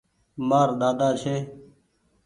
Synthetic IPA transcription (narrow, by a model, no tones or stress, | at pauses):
maːɾd̪aːd̪aːt͡ʃʰeː